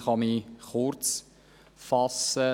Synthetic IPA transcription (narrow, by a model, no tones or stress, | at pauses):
χɑmiχʊɾt͡s | fɑsə